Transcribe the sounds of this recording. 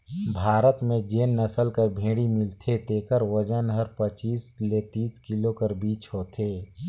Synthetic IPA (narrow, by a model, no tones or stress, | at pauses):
bʱaːɾət̪mẽd͡ʒeːnːɐsəlkəɾbʱẽːɽimɪlt̪ʰet̪eːkəɾwəd͡ʒənɦəɾpət͡ʃiːslet̪iːskɪlokɐɾbiːt͡ʃɦoːt̪ʰeː